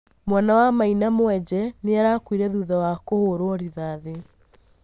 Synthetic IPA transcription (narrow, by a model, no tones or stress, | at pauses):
mwanawamainamwɛd͡ʑɛneaɾakwiɾɛðuːðawakohoɾoɔɾiðaðe